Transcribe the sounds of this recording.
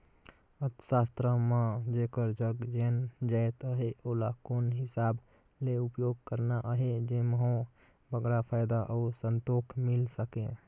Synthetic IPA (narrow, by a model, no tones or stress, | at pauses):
ət̪sast̪ɾəmãd͡ʒekəɾd͡ʒəɡd͡ʒend͡ʒaet̪əɦeolakonɦɪsab | leupjoɡ̚kəɾnaʔəɦed͡ʒeməɦõ | bəɡɾapʰaɪd̪aʔəusənt̪okʰmilsəkẽ